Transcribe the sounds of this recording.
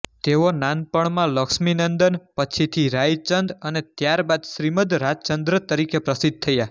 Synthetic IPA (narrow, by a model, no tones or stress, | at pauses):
t̪eʋonanpəɳmãləkʃminənd̪ənpət͡ʃʰit̪ʰiɾajt͡ʃənd̪ənet̪jaɾbad̪ʃɾiməd̪ɾad͡ʒt͡ʃənd̪ɾət̪əɾikepɾəsid̪̚t̪ʰəja